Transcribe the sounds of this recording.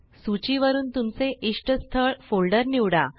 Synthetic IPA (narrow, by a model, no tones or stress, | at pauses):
sut͡ɕiʋəɾuːnt̪umt͡seʔiʂʈəst̪ʰəɭfolɖəɾniwɽa